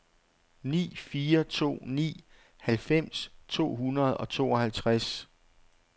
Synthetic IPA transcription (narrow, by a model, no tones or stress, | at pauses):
nḭːfiːɐt͡sʰo̝̰ːnḭː | hælfem̰st͡sʰo̝̰ːɦunɐð̞ˠɒ̽t͡sʰo̝̰ːɒ̽hælt͡sʰʁas